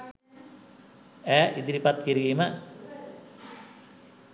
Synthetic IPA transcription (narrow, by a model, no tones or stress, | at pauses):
æːʔid̪iɾipat̪̚kiɾiːmə